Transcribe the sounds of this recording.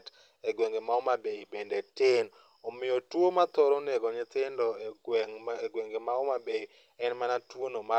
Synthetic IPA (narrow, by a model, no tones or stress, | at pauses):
t | eɡweŋɡemaɔmabeibendetɪn | omɪjotwomat̪ɔɾɔnɛɡɔɲɪt̪ɪndɔ | eɡweŋɡemaomabei | ɛnmanatwonoma